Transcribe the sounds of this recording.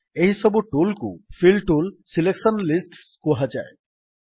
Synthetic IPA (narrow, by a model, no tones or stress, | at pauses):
eɦisɔbuʈulkṵfʰilʈulsileksɔnlisʈskɔɦad͡ʒa̰e